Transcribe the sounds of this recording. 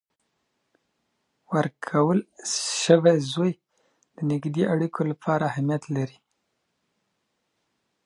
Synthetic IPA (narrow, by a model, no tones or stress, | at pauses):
wəɾkʰawəlʃəwezoj | d̪̥ənɪɡd̪eʔaɽikʰolapʰɑɾaahamijat̪laɾi